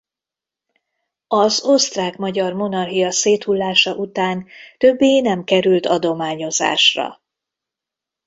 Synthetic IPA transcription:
ɒzo̞st̪raːkmɒɟɒrmo̞nɒrɦijɒseːt̪hulːaːʃɒʔut̪aːnt̪ø̞bːeːnɛmkɛɾylt̪ʰɒd̪o̞maːɲo̞za̰ːʃrɒ̰

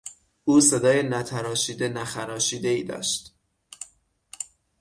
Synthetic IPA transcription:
uːse̞d̪ɒːjenæt̪ʰæɾɒːʃiːd̪e̞næxæɾɒːʃiːd̪e̞iːd̪ɒ̰ːʃt̪

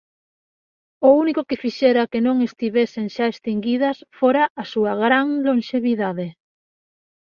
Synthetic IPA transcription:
ʊunikʊkɪfiʃɛɾɐkɪnõŋest̪iβeseŋʃaest̪iŋɡið̞ɐsfoɾaʔːsuɐɣɾaŋloŋʃeβiðaðe

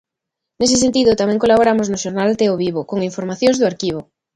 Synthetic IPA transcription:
nes̬es̬ent̪iðʊt̪amẽŋkolaβoɾamoznʊʃoɾnalt̪eoβiβokoŋiɱfoɾmaθjõŋzðʊaɾkiβ̞o

